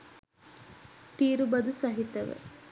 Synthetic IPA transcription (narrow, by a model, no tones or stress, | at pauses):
t̪iːɾubɐd̪usɐɦit̪ɐʋə̰